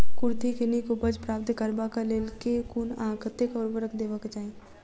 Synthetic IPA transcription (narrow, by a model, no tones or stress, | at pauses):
kʊɾt̪ʰikenikobəd͡ʒpɾaːp̚t̪kəɾbakaleːlkekuːnãːkʰət̪ːekɔːɾbəɾəkd̪eːʋəkt͡ʃaːẽ